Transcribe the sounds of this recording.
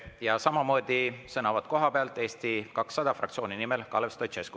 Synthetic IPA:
jɑsɑmɑmoːd̪̥isɤnɑvɑd̪̥̚ko̞ɦɑpeɑlt̪ːˑe̞ːst̪ikɑksːɑd̪̥ɑfrɑ̰k̚t̪sio̞ːninimelkɑlest̪ot͡ʃesku̥

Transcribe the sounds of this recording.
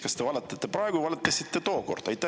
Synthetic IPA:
kɑst̪e̞vɑlet̪ːˑɑt̪ːe̞pɾɑeɡuvɑlet̪ːˑɑsit̪ːet̪o̞ːko̞̰rd̪̥ɑjt̪ːˑæ

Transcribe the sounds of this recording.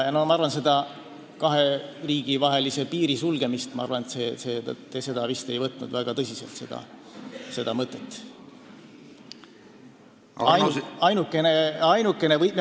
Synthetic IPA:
jɑnomɑɑɾrvɑnse̞d̪ɑ | kɑɦe̞riːɡ̥ivɑɦe̞lise̞piːɾisulɡ̥e̞mist̪mɑɑrvɑnet̪sese̞t̪t̪ːese̞d̪̥ɑvist̪e̞jvɤt̪ːˑnṵd̪væɡ̥ɑt̪ɤsise̞lt̪se̞d̪̥ɑ̰se̞d̪̥ɑmɤt̪ːˑet̪ːˑ | ɑjɑjnukːˑe̞neɑjnukːˑe̞ne̞vɤj̪me

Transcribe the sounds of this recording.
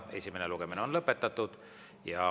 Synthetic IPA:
e̞sʲimeneluɡ̥emineo̞nlɤpːet̪ːˑɑt̪ːˑud̪̥ | jɑ

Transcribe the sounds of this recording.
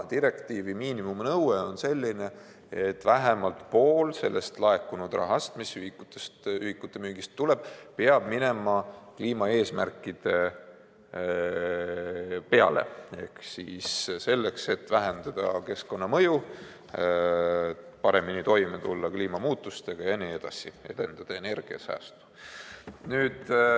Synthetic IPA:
t̪iɾe̞kt̪iːvimiːnimumnɤwweo̞nse̞lʲːine̞ | et̪ːˑvæɦemɑlt̪po̞ːlse̞̰lːe̞st̪lɑe̞kːˑunud̪̥rɑ̰ɦɑst̪misyhikːut̪ːest̪yhikːˑut̪ːˑe̞myːɡ̥ist̪ːuleb̥peɑb̥mine̞mɑkliːmɑe̞ːsmærkːˑid̪̥e̞ | pe̞ɑ̰lʔe̞̰e̞̰hksiːsse̞lːe̞kse̞t̪ːvæɦend̪̥ɑd̪̥ɑke̞sko̞nːɑmɤju | pɑɾe̞minit̪o̞jmet̪ulːɑkliːmɑmuːt̪ːˑust̪eɡ̥ɑjenie̞d̪̥ɑ̰sie̞d̪̥e̞nd̪̥ɑd̪̥ɑene̞rɡ̥iɑ̰sæ̰ːst̪u̥ | nyːd̪̥

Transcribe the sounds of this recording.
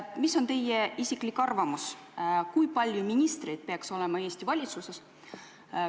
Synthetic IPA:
misːo̞nt̪e̞jeisiklikːɑrvɑmuskujpɑlʲjuminʲist̪rejd̪̥̚peɑkso̞le̞mɑe̞ːsʲt̪ivɑlʲit̪suse̞s

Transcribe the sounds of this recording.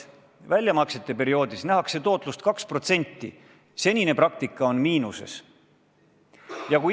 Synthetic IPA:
vælʲjɑmɑkse̞t̪ˑːe̞pe̞ɾio̞ːd̪̥isnæɦɑkse̞t̪o̞ːt̪ˑlust̪kɑkspro̞t̪se̞nʲt̪ːḭ | se̞nʲine̞prɑk̚t̪ikːˑɑo̞nmiːnuse̞̰s | jɑkuj

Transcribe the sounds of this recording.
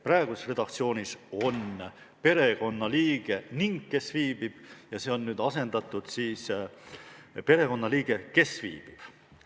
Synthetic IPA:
præeɡ̥usesre̞d̪̥ɑk̚t̪sio̞ːniso̞n | pe̞ɾe̞ɡo̞nːɑliːɡ̥e̞niŋɡke̞sviːb̥ib̥jɑse̞ːo̞nːyːd̪ɑse̞nd̪ɑt̪ːˑud̪̥siːs | pe̞ɾe̞ko̞nːɑliːɡ̥e̞ke̞svḭːb̥ib̥

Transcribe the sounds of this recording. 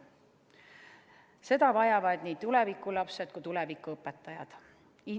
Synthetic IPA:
se̞d̪̥ɑvɑjɑvɑd̪̥niːt̪ule̞vikːˑulɑpse̞d̪̚kut̪ulevikːˑuɤpːˑet̪ˑːɑjɑ̰d̪̥ | i

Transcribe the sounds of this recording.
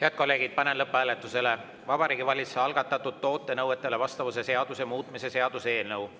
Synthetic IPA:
heɑd̪̚kolːe̞ːɡid̪̥̚pɑnenlɤpːˑæːlet̪ːˑuse̞le̞ | vɑbɑɾiːɡ̥ivɑlʲit̪seɑlɡ̥ɑt̪ːˑɑt̪ːˑud̪̥̚t̪ːo̞ːt̪ːˑe̞nɤwet̪ːˑe̞le̞vɑst̪ɑvuse̞se̞ɑd̪̥usemuːt̪ˑmise̞se̞ɑd̪̥usee̞ːlnɤw

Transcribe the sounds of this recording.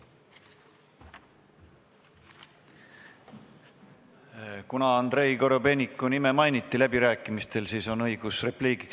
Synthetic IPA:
kunɑɑnd̪̥ɾe̞jko̞ɾobe̞nʲikːˑunime̞mɑjnit̪ːˑilæb̥iɾæːkːˑimist̪e̞lsiːso̞nɤ̞jɡ̥usre̞pliːki̥k

